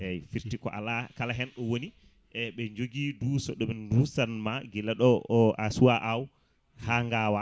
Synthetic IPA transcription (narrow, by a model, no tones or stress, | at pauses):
ɛfiɾtikɔʔa̰lakalaɦɛnɗɔwoni | ʔɛɓɛɲd͡ʒoɡiduːsɔɗɔmɛndusanmaɡɛlaɗɔasuwaʔaw | haŋɡawa